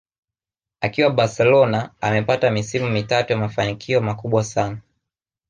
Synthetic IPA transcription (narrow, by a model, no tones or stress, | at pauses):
akiwaɓaɾsɛlɔnaamɛpatamisimumitatujamafanikʰiɔmakuɓwasana